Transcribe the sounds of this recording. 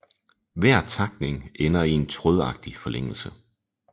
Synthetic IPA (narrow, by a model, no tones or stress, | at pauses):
ʋæɐ̰t͡sʰɑ̈ɡ̥̚ne̝ŋenɐie̝nt͡sʰʁɔð̞ˠɑ̈ɡ̥̚d̥ifɒ̽lʔeŋ̰l̩sə